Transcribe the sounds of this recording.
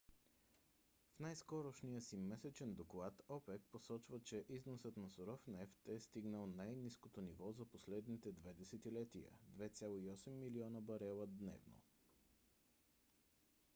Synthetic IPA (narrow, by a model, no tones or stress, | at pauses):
fnajskɔɾoʃnijəsimɛsɛt͡ʃɛnd̪oklˠat̪ɔpɛk̚posɔt͡ʃvət͡ʃɛʔiznosət̪nɐsoɾɔfnɛft̪ɛst̪iɡnəlˠnajniskot̪onivɔzɐposlɛd̪nit̪ɛd̪vɛd̪ɛsɛt̪ilɛt̪ijə̰d̪vɛt̪sʲjalˠoiɔsɛmːiliɔnəbɐɾɛlˠəd̪nɛ̰vno̰